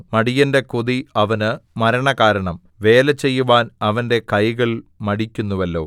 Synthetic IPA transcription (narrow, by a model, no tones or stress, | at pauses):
mɐɽijɐnde̞kuðiɐʋɐnɨmɐɾɐɳɐkaːɾɐɳɐm | ʋe̞ːlɐt͡ɕːe̞jːuʋaːnɐʋɐnde̞kɐjɣɐɭmɐɽikʲːunːuʋɐlːo̞ː